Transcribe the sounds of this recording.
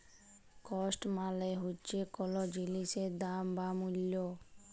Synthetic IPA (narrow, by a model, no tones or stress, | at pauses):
kɔsʈmãleɦut͡ʃekɔlɔd͡ʒilised̪ambamuljo